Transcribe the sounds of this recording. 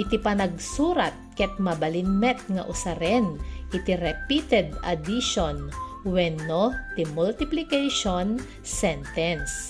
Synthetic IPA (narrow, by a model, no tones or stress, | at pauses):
ʔɪt̪ipɐnɐɡ̚suːɾɐt̪̚kɛt̪̚mɐbɐlɪnmɛt̪̚ŋɐ̰ʔʊsaɾɛnʔɪt̪iɾɛpit̪ɛd̪ɐ̰d̪iʃonwɛnːot̪ɪmult̪ɪplɪkɛjʃon | sɛnt̪ɛns